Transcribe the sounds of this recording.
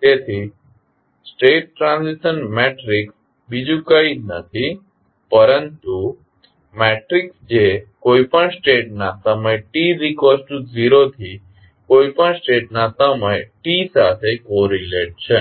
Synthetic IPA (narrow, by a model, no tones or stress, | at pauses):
t̪et̪ʰi | sʈeʈ̚ːɾãnziʃənmeʈɾiks | bid͡ʒũkəinə̰t̪ʰi | pəɾənt̪u | meʈɾiksd͡ʒekoipəɳsʈeʈ̚nasəməjʈiɾikʋəsʈuziɾot̪ʰi | koipəɳsʈeʈ̚nasəməjʈisat̪ʰekoɾileʈ̚t͡ʃʰe